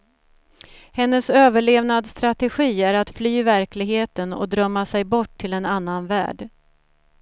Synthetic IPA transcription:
hɛnːəsøːvəɭeːvnad̪st̪ɾat̪ɛɧiːæɾat̪flyːvæɾklɪɡheːt̪ənɔ̰d̪ɾœmːasɛjbɔʈʰːɪlɛnanːanvæ̰ːɖ

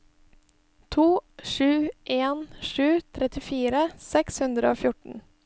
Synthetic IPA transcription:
t̪ʰuːʃʉːʔeːnʃʉːt̪ʰɾɛt̪ɪfiːɾəsɛkshʉnd̪ɾəoːfjʊʈɳ̩

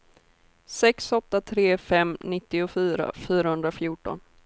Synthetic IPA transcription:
sɛksɔt̪ːat̪ʰɾeːfɛmnɪt̪ːɪʊfyːɾa̰fyːɾahɵnd̪ɾafjuːʈɔ̰n

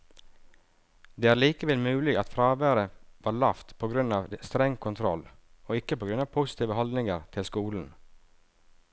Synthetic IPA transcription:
d̪eːæːɾɭiːkəʋɛlmʉːlɪɡɑt̪fɾɑːʋæːɾəʋɑːɭɑft̪pʰoːɡɾʉnɑːʋst̪ɾɛŋkʰʊnt̪ʰɾɔ̰l | oːɪkːəpoːɡɾʉnɑːʋpʰʊsɪ̥t̪ʰiːʋəhɔld̪nɪŋəɾt̪ʰɪlskuːln̩

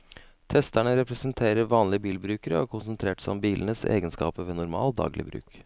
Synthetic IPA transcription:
t̪ʰɛst̪æɳəɾɛpɾɛsənt̪ʰeːɾəɾʋɑːnlɪəbiːlbɾʉːkəɾəɔkʰʊnsənt̪ʰɾeːʈsɔmbiːlnəsḛːɡənskɑ̰ːpəʋiːnʊɾmɑ̰ːld̪ɑ̰ːɡlɪ̰bɾʉ̰ːk

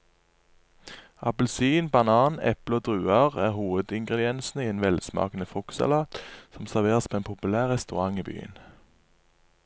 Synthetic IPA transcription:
ɑpəlsiːnbɑnɑːnɛ̰pləoːd̪ʁʉːɑʁæːʁhuːʋəd̪ɪŋɡʁɛd̪ɪɛnsn̩əiːeːnʋɛlsmɑ̰ːknəfɔksɑ̰lɑːt̪sɔmsæʁʋeːʁəspʰoːeːnpʰʊpʉlæːʁʁɛst̪ʉʁɑŋiːby̰ːə̰n

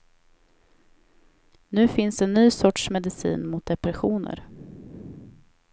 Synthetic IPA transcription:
nʉ̟ːfɪnsd̪ɛnːyːsɔʈʂmɛd̪ɪsḭːnmʊt̪̚d̪ɛpɾɛɧuːnə̰ɾ

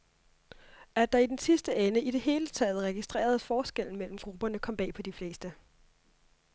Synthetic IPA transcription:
æɐd̥ɑ̈id̥ensisd̥əenəid̥e̝ɦe̝ːlət͡sʰɛ̰ːð̞̩ˠʁɛɡ̥isd̥ʁḛːɐð̞ˠfɒːsɡ̥el̰n̩mel̰m̩ɡ̥ʁub̥ɐnəkʰɒ̽m̰b̥ɛ̰ːpʰɒ̽d̥ifle̝ːsd̥ə

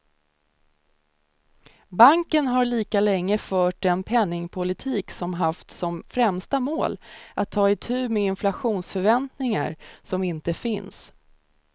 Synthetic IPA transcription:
baŋkənɦaɭiːkalɛŋːəfœːʈ̚d̪ɛnpʰɛnːɪŋpʰʊlɪt̪ʰiːksɔmɦaft̪sɔmfɾɛmst̪amoːlʔat̪ʰːɑːɪt̪ʰʉ̟ːmeɪnflaɧuːnsfœɾvɛnt̪nɪŋa̰ɾsɔmɪnt̪əfɪns

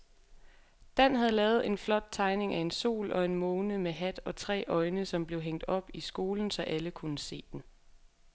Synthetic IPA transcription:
d̥æn̰ɦæðˠlɛːð̞̩ˠe̝nflɒ̽d̥̚t͡sʰɑ̈ɪne̝ŋæe̝nso̝̰ːlʔɒ̽e̝nmoːnəmeɦæd̥ɒ̽t͡sʰʁɛ̰ːʔɒ̽ɪnəsɒ̽mb̥le̝ʊɦeŋ̰d̥ɒ̽b̥isɡ̥o̝ːln̩sɒ̽ʔæləkʰunəse̝̰ːd̥en

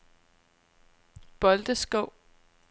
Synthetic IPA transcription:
b̥ɒ̽ld̥əsɡ̥ɔʊ̰

